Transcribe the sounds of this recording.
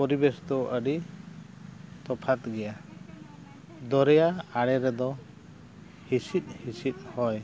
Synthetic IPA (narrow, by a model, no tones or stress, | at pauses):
pɔɾibesɔt̪ɔəɖi | t̪ɔpʰat̪ɡɛja | d̪ɔɾɛjaaɽɛɾɛd̪ɔ | hisit̪̚ˀhisit̪̚ˀhɔj